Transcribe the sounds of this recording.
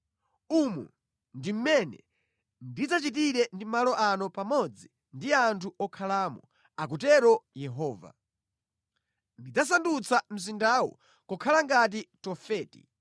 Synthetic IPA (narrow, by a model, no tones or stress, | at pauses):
umṵ | ndim̩mɛnɛ̰ | ndid͡zat͡ʃit̬iɾɛndimalɔʔanɔpamɔd͡zi | ndiantʰuʔɔkʰalaːmɔ | ak̬utɛɾɔjɛɦɔːva̰ | ndid͡zas̬andut͡sʰam̩s̬indawɔ̰ | kɔkʰalaŋɡat̬itɔfɛːtḭ